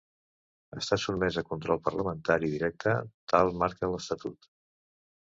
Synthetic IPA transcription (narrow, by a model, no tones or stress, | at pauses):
əst̪asud̪mɛzəkunt̪ɾɔlˠpəɾləmənt̪aɾiðiɾɛk̚t̪ʰət̪alˠmaɾkələst̪ət̪ut̪